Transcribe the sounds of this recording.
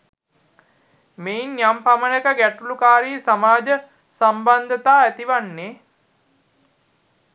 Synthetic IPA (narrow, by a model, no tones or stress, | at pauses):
meinjampamənəkəɡæʈulukaːɾiːsamaːd͡ʒə | samband̪ət̪aːæt̪iʋanːeː